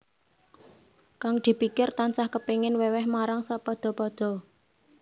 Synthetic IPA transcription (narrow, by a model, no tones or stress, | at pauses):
kaŋd̪̥i̤pikɪrt̪ant͡ʃahkəpeŋɪnwɛwɛhmaɾaŋsapɔd̪̥ɔ̤pɔd̪̥ɔ̤